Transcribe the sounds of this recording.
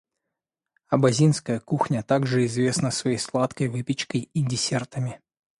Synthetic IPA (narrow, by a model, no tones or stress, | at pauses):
ɐbɐzʲinskəjəkuxnʲət̪aɡʐɨɪzvʲe̞snəsvɐjejslˠat̪kəjvɨpʲɪt͡ɕkəjidʲɪsʲert̪əmʲɪ